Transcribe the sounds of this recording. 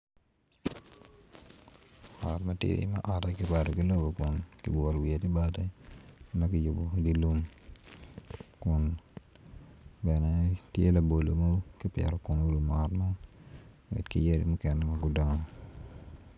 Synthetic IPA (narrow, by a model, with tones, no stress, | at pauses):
ɔ˨tmɐ˦tḭɾḭ˨˦mɛ̰˦ʔɔ˨tɛ˦kɪ˦pa˨tɔ˨ki˦lo˦bo˨kʊ˨nkḭ˨wo˨ɾwie˨ti˦ba˦tɛ˦mɐ˦kɪ˦jo˨bo˨ɡi˦lu˦m | kʊ˨n | bɛ˨nɛ˨tje˦la˨bo˨lo˨mo˦ki˦pjɛ̰˨ɾɔ˨kʊ˨no˦ɾu˨m˨ɔ˨tma˦ | wɛ̰˨dkḭ˦je˦ɾḭ˦mʊ˦kɛ˨nɛ˦mɐ˦ɡʊ˦dɔ˦ŋɔ˨